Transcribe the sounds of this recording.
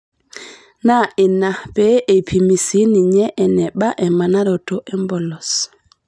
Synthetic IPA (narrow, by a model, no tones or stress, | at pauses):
naʔinːapɛʔɛpʰimisiniɲɛʔɛnɛɓaʔɛmanaɾɔtɔʔɛmbɔlɔs